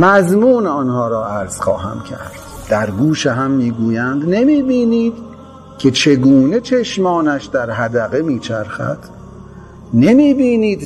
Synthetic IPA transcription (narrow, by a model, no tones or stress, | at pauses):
mæzmuːnɒnhɒːɾɒːæɾz̥xɒ̰ːɦæ̰mcʰæ̰ɾd̪̥d̪̥æɾɡuːʃeɦæmːiːɡuːjænd̪ne̞miːbiːniːd̪ | cʰe̞t͡ʃʰe̞ɡuːne̞t͡ʃʰe̞ʃmɒːnæʃd̪æɾɦæd̪æɣe̞miːt͡ʃʰæɾxæ̰d̪̥ | nemiːbiːniːd̪